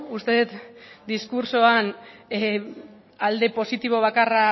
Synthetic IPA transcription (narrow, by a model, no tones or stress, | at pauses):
ust̪e̞ðet̪d̪iskuɾso̞an | ald̪e̞po̞sit̪iβ̞o̞β̞akara